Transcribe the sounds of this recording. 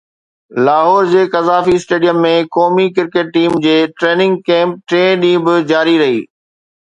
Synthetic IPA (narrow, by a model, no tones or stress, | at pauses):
laːɦɔːɾd͡ʑeːkɐzaːfisʈeːɖijəmːẽkɔːmikɪɾkeːʈːiːmd͡ʑeːʈɾeːnɪ̃ŋɡ̚kɛ̃ːmp̚ʈɾẽːɗĩːbɪd͡ʑaːɾiɾɐɦḭː